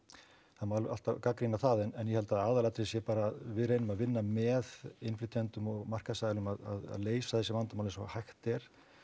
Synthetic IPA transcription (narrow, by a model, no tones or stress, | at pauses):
θaðmawlʔa̰l̥t̪avkakɾinaθaðɛnɛnjɛhɛlt̪aðaːðalat̪ɾɪsjɛpaːɾaðvɪðreːjnʏmaðvɪnːamɛðɪnflɪt̪ʰjɛnt̪ʏmɔɣmar̥kasaːjðlʏmaða̰ða̰ðleːjsaθɛsːɪvant̪amawlɪnsɔ̰hajxt̪ɛɾ̥